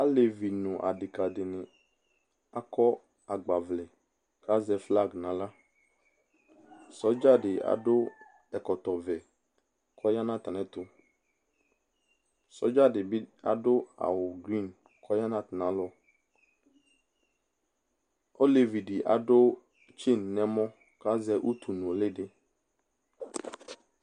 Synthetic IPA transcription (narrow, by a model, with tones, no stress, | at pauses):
a˦le˨vi˨nʊ̃˨ʔa̰˨dɪ˨ka˨dɪ˨nɪ̃˨ | a˦kɔ˦ | a˨ɡ͡ba˨vlɪ˨ | ka˦zɛ˦fla˦˨ɡnã˨la˦ | sɔ˦d͡ʒa˦dɪ˨a̰˨dʊ˦ | ɛ˨kɔ˨t̪ɔ˨vɛ˨ | kʰɔ˦ja˦nã˦t̪a˨nɛ̃˦t̪ʊ˦ | sɔ˨˦d͡ʒa˦dɪ˨bɪ˦a̰˨dʊ˦a̰˨wʊ˨ɡɾi˦˨n | kʰɔ˦ja˦nã˦t̪nã˨˦lɔ˦ | o˦le˨vi˨di˨ʔa̰˨dʊ˦ | t͡ʃi˦nː˨ɛ̃˦mɔ̃˦ | ka˦zɛ˦ʔu˦t̪u˨nʊ̃˨lɪ˦dɪ˦